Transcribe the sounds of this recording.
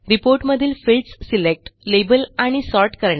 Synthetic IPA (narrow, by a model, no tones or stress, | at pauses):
ɾipoɾʈməd̪ʱiːlfelssilek̚ʈlebəlaɽ̃isɔɾʈkəɾɳ